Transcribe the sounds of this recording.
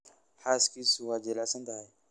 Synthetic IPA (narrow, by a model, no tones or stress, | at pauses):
haskisuwad͡ʒɛlasand̪aj